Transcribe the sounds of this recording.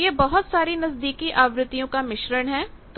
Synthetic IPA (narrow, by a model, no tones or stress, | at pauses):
jebɐɦʊt̪saːɾinɐsd̪iːkiʔaːʋɾɪt̪ːijõkamɪʃɾəɽ̃ɦɛːt̪